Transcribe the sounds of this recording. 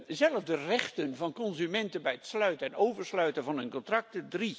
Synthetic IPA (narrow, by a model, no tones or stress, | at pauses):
zɛlˠəvdərɛχtənvɑnkɔnzymɛntənbɛjətslœɥtəɛnowvəɹslœɥtənvɑnənkɔntrɑk̚tədri